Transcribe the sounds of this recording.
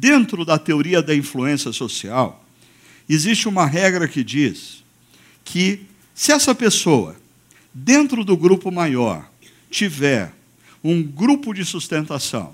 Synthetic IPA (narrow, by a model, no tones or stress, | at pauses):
d̪ẽnt̪ɾʊd̪ɐt̪eoɾiɐd̪ɐĩfluẽsiɐsosiaw | ezist͡ʃɪũmɐɦɛɡɾɐkɪd͡ʒis | kʰɪ | sɪɛsɐpesoɐ̰ | d̪ẽnt̪ɾʊd̪ʊɡɾupʊmajɔ̰ɾ | t͡ʃivɛɾ | ũɡɾupʊd͡ʒɪsust̪ẽnt̪asɐ̰̃w̃